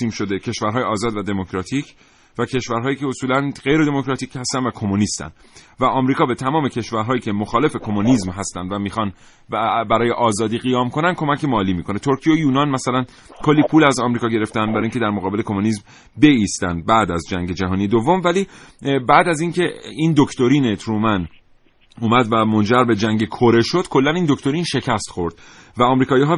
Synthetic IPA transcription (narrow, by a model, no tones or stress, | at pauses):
iːmʃo̞d̪ecʰe̞ʃvæɾɦɒːjeɒːzɒːd̪væd̪e̞mo̞kʰɾɒːt̪ʰiːcʰ | væcʰe̞ʃvæɾɦɒːjiːcʰeosuːlænɢe̞jɾed̪emo̞kɾɒːt̪ʰiːchæst̪ænd̪vækʰo̞muniːst̪æ̰nd̪ | væʔɒːmɾiːkɒːbe̞t̪ʰæmɒːme̞cʰe̞ʃvæɾɦɒːjiːcʰe̞mo̞xɒːle̞fe̞kʰo̞moniːzmɦæst̪ænd̪væmiːxɒn | bæɾɒːje̞ʔɒːzɒːd̪iːɣijɒːmko̞nænd̪kʰo̞mæcʰe̞mɒːliːmiːkʰo̞ne̞t̪ʰo̞ɾcʰijeojuːnɒnmæsælæn | kʰo̞lːiːpʰuːlæzɒːmɾiːkɒːɟeɾeft̪ænbæɾɒːjiŋcʰeæɾmoɣɒːbe̞lekʰo̞muniːzm | be̞iːst̪ænd̪̚bæd̪æzd͡ʒæŋɟe̞d͡ʒæɦɒːnijed̪o̞vːo̞mvæliːbæːd̪æziŋcʰe̞ind̪okʰt̪o̞ɾiːnet̪ʰɾuːmæn | uːmæd̪væmo̞nd͡ʒæɾbe̞d͡ʒæŋɟekʰoɾe̞ʃo̞d̪̥kʰo̞lːæniːnd̪okʰt̪o̞ɾiːnʃe̞cʰæst̪xo̞ɾd̪̥ | væɒːmɾiːkʰɒːjiːɦɒː